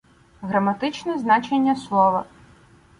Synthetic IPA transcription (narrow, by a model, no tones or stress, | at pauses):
ɣɾɐmɐt̪ɪt͡ʃnɔznɑt͡ʃenʲːɐslˠɔʋɐ̰